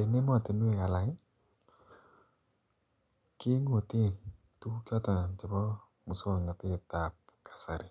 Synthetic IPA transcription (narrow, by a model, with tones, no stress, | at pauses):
e˨ne˦mɔ˨te˨nu˦e˨ŋa˨la˨ɪ˦ | ki˦ŋo˨ti˦˨ | tu˦u˦kjɔ˦ta˨t͡ʃa˨bɔ˦ | mu˨so˦˨ŋa˨te˦˨ta˨p̚kʰḁ˨sa˨ɾi˨